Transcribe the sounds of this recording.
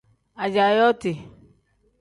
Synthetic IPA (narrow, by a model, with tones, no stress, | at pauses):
a˨d͡ʒa˨jɔ˦ti˨